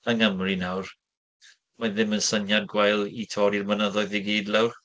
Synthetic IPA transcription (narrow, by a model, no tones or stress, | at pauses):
əŋəmrinawr | maðɪmənsənjad̚ɡwajlˠitʰɔːɾirmənəðɔɨðiɡiːdlɛwr